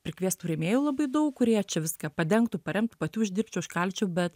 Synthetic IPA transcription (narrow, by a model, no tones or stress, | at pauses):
pʲɾʲɪkʋʲiɛst̪uːɾʲemʲeːjuːlˠɐbɐɪd̪ɐʊkkʊɾʲiɛt͡ʃʲɛʋʲɪskɐpɐd̪ʲɛŋkt̪uːpɐɾʲɛmt̪upɐt̪ʲuːɪʒʲd̪ʲɪrʲpʲt͡ʃʲɛːɪʃkɐlʲt͡ʃʲuːbʲɛt̪